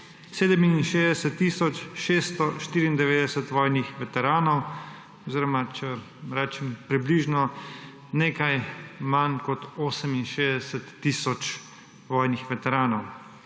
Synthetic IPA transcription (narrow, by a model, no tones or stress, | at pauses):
seːd̪ɛminnʃeːzd̪ɛsɛt̪ːiːsɔt͡ʃʃeːst̪ɔʃt̪iːɾiːnd̪ɛʋeːd̪ɛsɛt̪ʋɔːjnixʋɛt̪ɛɾaːnɔw | ɔziɾɔmat͡ʃɛ | ɾɛːt͡ʃɛmpɾibliːʒnɔ | neːkajmankɔt̪oːsɛminʃeːzd̪ɛsɛt̪ːiːsɔt͡ʃ | ʋɔːjnixʋɛt̪ɛɾaːnɔw